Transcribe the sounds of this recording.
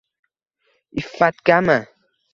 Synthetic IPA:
ifat̪̚ɡama

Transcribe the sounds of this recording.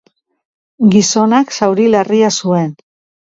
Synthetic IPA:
ɡiso̞naksawɾilariasue̞n

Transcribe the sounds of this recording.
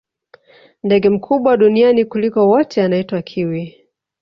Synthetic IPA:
ndɛɠɛm̩kʰuɓwaɗunianikulikɔwɔtʰɛanaitwakʰiwi

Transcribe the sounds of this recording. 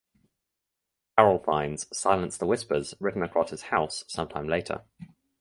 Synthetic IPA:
aɹəlˠfã̰ɪ̃nz̥saɪlə̃nsðəwɪspəzɹɪʔn̩əkʰɹ̥ɒ̰shɪz̥haʊsːʌ̃mtʰãɪ̃mleɪtʰə̰

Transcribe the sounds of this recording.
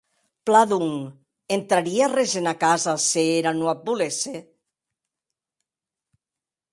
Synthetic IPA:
plaðuŋ | ent̪ɾaɾiarezenakazaseeɾanuap̚bulese

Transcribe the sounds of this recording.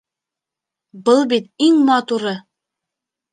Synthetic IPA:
bɤlˠbit̪iŋmɑt̪uɾɤ

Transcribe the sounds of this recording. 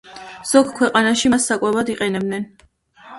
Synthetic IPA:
z̥ɔɡkʰwɛqʼanaʃimasːakʼwɛbad̪iqʼɛnɛb̚d̪nɛn

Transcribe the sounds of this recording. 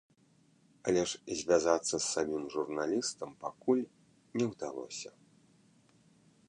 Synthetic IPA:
alʲɛʂzʲvʲazat̪sːɐsːamʲimʐurnalʲist̪ɐmpakulʲ | nʲɛwd̪alˠɔ̰sʲɐ

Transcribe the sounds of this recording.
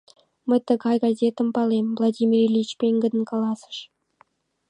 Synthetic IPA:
məjt̪əɣɑjɡɑzʲet̪ə̆mpɑlˠemvlˠɑdʲimʲirlʲit͡ɕpʲeŋɡə̆d̪ə̆nkɑlˠɑsə̥ʃ

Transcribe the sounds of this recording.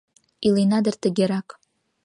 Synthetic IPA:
ilinad̪ərt̪əɡʲeɾak

